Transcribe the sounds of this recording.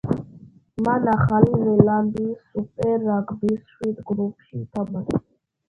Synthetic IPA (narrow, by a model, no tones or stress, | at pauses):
manaχalizɛlanb̪isupʼɛɾaɡbisʃwid̪ɡɾupʰʃiːt̪ʰaban